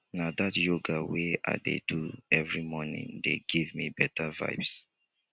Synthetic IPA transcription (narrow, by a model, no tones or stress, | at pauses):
nadatjoɡawea̰dḛduɛvɹimɔnɪ̰̃ŋdḛɡivmibɛtʰava̰ɪbs